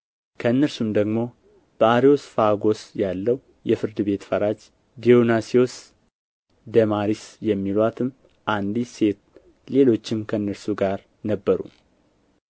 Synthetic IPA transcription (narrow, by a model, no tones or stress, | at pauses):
kʰəɨnːəɾsumd̪əɡmo̞ | b̥əaɾio̞sfaɡo̞sjalːəw | jɛfɨɾd̪ɨβe̞t̪fəɾad͡ʒ | d̪ionasio̞s | d̪əmaɾisjɛmːilwat̪ʰɨm | ʔand̪ise̞t̪̚ | le̞lo̞t͡ʃːɪmkʰəɨnːəɾsuɡaɾ | nəbːəɾṵ